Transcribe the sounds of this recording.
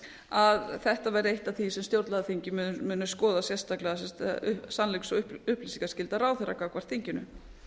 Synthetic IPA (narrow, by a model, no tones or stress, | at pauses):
aðθɛht̪avɛɾejht̪aθisɛmst̪jowɾt̪lɛðθiɲcɪmmʏːnʏskɔːðasjɛst̪aklɛasɛsanleksɔʏʏhplisiŋkascɪlt̪aɾraːwθɛɾakakʰvḁɾ̥t̪θiɲcɪnʏ̰